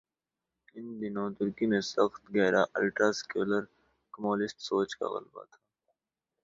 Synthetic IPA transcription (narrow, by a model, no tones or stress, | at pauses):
ɪnd̪ɪnõt̪ʊɾkimẽsɐxt̪ɡɛːɾʔaʔɐlʈaːskeːləɾ | kɐmoːlɪsʈsoːt͡ʃka̰ɣɐ̰lba̰t̪ʰaː